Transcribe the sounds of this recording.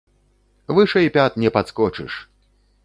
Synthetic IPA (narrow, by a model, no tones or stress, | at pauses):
vɨʂɐipʲat̪̚nʲɛpat̪skɔt͡ʂɨ̰ʂ